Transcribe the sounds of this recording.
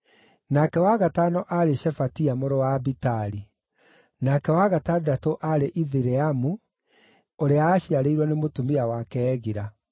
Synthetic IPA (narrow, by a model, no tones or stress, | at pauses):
nakɛwaɣataːnɔʔaɾeʃɛfatiamoɾowabitaɾi | nakɛwaɣatandatoʔaɾeʔiðiɾɛamu | oɾeaːɕiaɾeiɾwɔnemotumiawakɛːɣiɾa